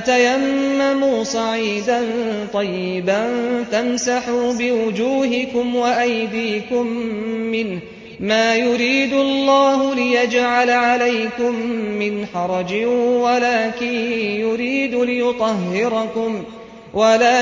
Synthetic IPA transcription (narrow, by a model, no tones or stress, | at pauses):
at̪ajamːamuːsˤɑʕiːd̪ant̪ˤɑjːɪbant̪amsaħuːbɪwʊd͡ʒuːɦɪkʊmwaʔajd̪iːkʊmːɪnh | maːjʊɾiːd̪ʊɑlˤːɑːɦʊlɪjad͡ʒʕalaʕalajkʊmːɪnħɑɾˤɑd͡ʒɪwalaːkɪnjʊɾiːd̪lɪjʊt̪ˤɑɦːɪɾɑkʊm | wʔalaː